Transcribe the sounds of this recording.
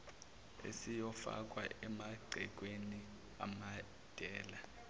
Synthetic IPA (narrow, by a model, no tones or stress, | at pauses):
ḛsijɔfa̰k̬ʼwa̰ʔɛmaɡ͡ǀʱɛk̬ʼweni | a̰ma | d̥ʱɛːla